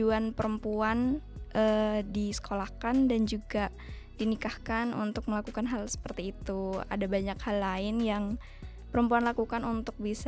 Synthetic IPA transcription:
uanpəɾəmpuan | ʔədisə̥kolakandand͡ʒuɡa | d̥inikahkanṵnt̪ʊk̚məlakukanɦalsə̥pərt̪iːt̪ua̰dabaɲakhalːaɪnjaŋ | pəɾəmpuanlakukanunt̪ʊk̚bis

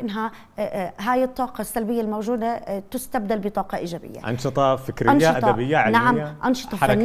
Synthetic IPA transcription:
ʔɪnːɦa | ɦaːjɪt̪ˤːɑːqɑsːalbɪjːalmowʒuːd̪at̪ɪst̪ab̚d̪albɪt̪ˤɑːqɑʔiːd͡ʒaːbɪ̰jːa̰ʔɑ̰nʃɨt̪ˤɑfɪkɾʔɑnːʃʔad̪ˤd̪abɪjːaʕnaʕamːaʔɑnʃɨ̥t̪ˤɑn

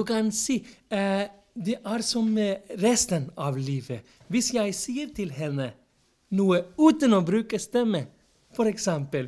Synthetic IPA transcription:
ʉkʰɑnsiː | d̪ɛʔæːɾsɔmɾɛst̪ənɑʋliːʋə | ʋɪsjæɪsiːəɾt̪ʰɪlhɛnə | nuːəʉːt̪ənoːbɾʉːkəst̪ɛmːə | fɔɾɛksɛmpəl

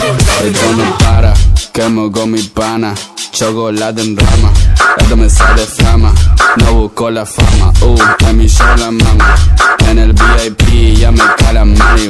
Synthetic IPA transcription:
ɛdwɔnobaɾakɛmɔɡɔmibanat͡ʃɔɡɔlad̪ənɾamaa̰dɔmesadɛfamanawokɔlafa̰ma̰oɛmiʃɔlamamaɛnɛlbiajpijamekalamaɾi

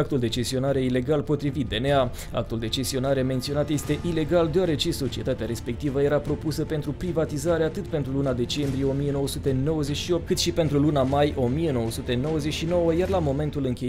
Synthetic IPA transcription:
ak̚t̪uld̪e̞t͡ʃe̞st̪io̞naɾeile̞ɡalpo̞t̪ɾivit̪̚d̪e̞nea | a̰k̚t̪uld̪e̞t͡ʃe̞st̪io̞naɾement̪sio̞nat̪je̞st̪e̞ʔile̞ɡald̪eaɾe̞t͡ʃe̞so̞t͡ʃie̞t̪at̪eaɾe̞spe̞kt̪ivəje̞ɾapɾo̞pusəpe̞nt̪ɾupɾivat̪izaɾeat̪ɨt̪pe̞nt̪ɾulunad̪e̞t͡ʃe̞mbɾije̞o̞mije̞no̞wəsut̪e̞no̞wəzet͡ʃʃio̞p̚t̪kɨt̪ʃipent̪ɾulunamajʔo̞mije̞no̞wəsut̪e̞no̞wəze̞t͡ʃʃino̞wəjarlamo̞me̞nt̪ulɨŋkʲe

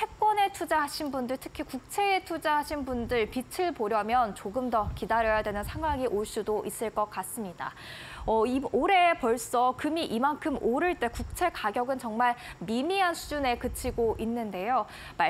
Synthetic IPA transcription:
he̞k̚k͈wʌne̞tʰud͡ʑaɦaɕʰinbundɯɭtʰɯ̥kʰikuk̚t͡ɕʰe̞ːtʰud͡ʑaɦaɕʰinbundɯɭpit͡ɕʰiɭpoɾjʌmjʌnt͡ɕoɡɯmdʌkidaɾjʌjadwenɯnsʰaŋɦwaŋiʔoɭs͈udoʔis͈ɯɭk͈ʌk͈as͈ɯmɲida̰ | ʌioɾe̞pʌɭs͈ʌkɯmiʔimankʰɯmʔoɾɯɭt͈e̞kuk̚t͡ɕʰe̞kaɡjʌɡɯnt͡ɕʌŋmaɭmimiɦansʰud͡ʑune̞kɯt͡ɕʰiɡoʔinːɯnde̞jo | ma

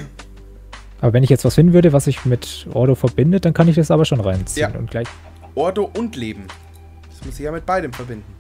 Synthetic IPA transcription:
ʔaːbɐvɛnɪçjɛt͡stv̥asfɪndn̩vʏɐɾəvasz̥ɪçmɪtʔɔ̰ɐɾofɛɐbɪndət̚d̥ankʰanɪçd̥asʔaːbɐʃoːnʁaɪnt͡siːnʊ̰ntɡ̥laɪç | ʔɔɐdoʔʊntleːbm̩ | d̥asmʊszɪçjaːmɪt̚b̥aɪdəmfɛɐbɪndn̩

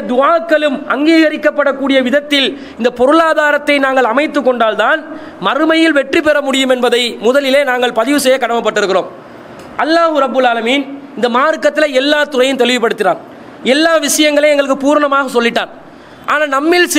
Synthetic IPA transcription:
d̪ʊaːkːɐɭɯmʔɐŋɡiːɣɐɾɪkːɐpːɐɽɐkːuːɽɪjɐʋɪðɐt̪ːɪl | ɪnd̪ɐpɔɾɯɭaːðaːɾɐt̪ːɐɪnaːŋɡɐɭɐmɐɪt̪ːɯkːɔɳɖaːlt̪aːn | mɐɾɯmɐjɪlʋɛʈripɛɾɐmʊɽɪjɯmɛnbɐðɐɪmʊðɐlɪleːnaːŋɡɐɭpɐðɪʋɯsɛjːɐkɐɽɐmɐpːɐʈːɪɾɯkːɪroːm | ʔɐlːaːhɯɾɐbːɯlaːlɐmiːn | ɪnd̪ɐmaːɾkɐt̪ːɪlɐɛlːaːt̪ʊrɐjɯmt̪ɛlɪʋɪpːɐɽɯt̪ːɪɾaːn | ɛlːaːʋɪʂɐjɐŋɡɐɭeɛŋɡɐɭɯkːɯpuːɾɐɳɐmaːɣɐsɔlːɪʈːaːn | ʔa̰ːnaːnɐmːɪls

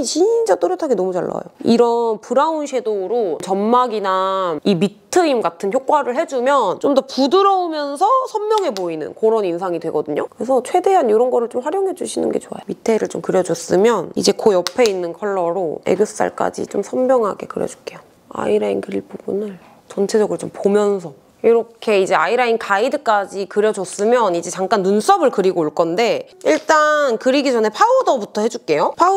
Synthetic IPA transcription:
t͡ɕit͡ɕ͈at͈oɾjʌtʰaɡenʌmud͡ʑaɭːa̰joiɾʌnpuɾaunɕʰedoɾot͡ɕʌnmaɡinaimitʰɯimɡatʰɯnçjok͈waɾɯɭhe̞d͡ʑumjʌnt͡ɕomdʌpudɯɾʌumjʌnsʰʌsʰʌmmjʌŋɦe̞boinɯ̰nkoɾʌninsʰaŋidwe̞ɡʌdɯɲokɯɾe̞sʰʌt͡ɕʰwe̞de̞ɦanjoɾʌnɡʌɾɯɭt͡ɕomɸwaɾjʌŋɦe̞d͡ʑuɕʰinɯ̰nɡe̞t͡ɕoa̰jomitʰe̞ɾɯɭt͡ɕomkɯɾjʌd͡ʑʌs͈ɯmjʌnḭd͡ʑe̞kojʌpʰe̞inːɯnkʰʌɭːʌɾoe̞̰ɡɯsʰɯ̥s͈a̰ɭk͈a̰d͡ʑḭt͡ɕomsʰʌmbjʌŋɦaɡe̞̰kɯɾjʌ̰d͡ʑu̥k͈e̞jo | a̰iɾainkɯɾiɭp͈ubunɯɭ | t͡ɕʌnt͡ɕʰe̞d͡ʑʌɡɯɭt͡ɕompomjʌnsʰʌ | iɾʌkʰe̞id͡ʑe̞aiɾainkʰaidɯk͈ad͡ʑikɯɾjʌd͡ʑʌs͈ɯmjʌnid͡ʑe̞t͡ɕaŋk͈anːuns͈ʌbɯɭkɯɾiɡoːɭk͈ʌnde̞ | iɭt͈ankɯɾiɡid͡ʑʌnɦepʰaodʌbutʰʌhed͡ʑuk͈e̞jopʰa

